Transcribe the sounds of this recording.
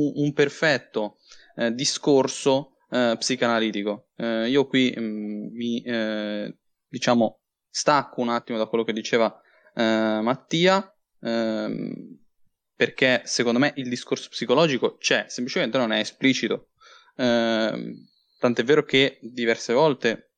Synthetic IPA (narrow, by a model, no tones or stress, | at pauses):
uumperfɛt̪ːo | d̪iskorso | psikoanaliːt̪iko | iːokwi | mi | d̪it͡ʃaːmo | st̪akːounat̪ːimod̪akwelːoked̪ːit͡ʃeːva | mat̪ːiːa | perk̟esekond̪omeʔild̪iskorso̥psikolɔːd͡ʒikot͡ʃɛsemplit͡ʃement̪enonɛesplit͡ʃit̪o | t̪ant̪ɛvːeːɾok̟ed̪ivɛrsevɔlt̪e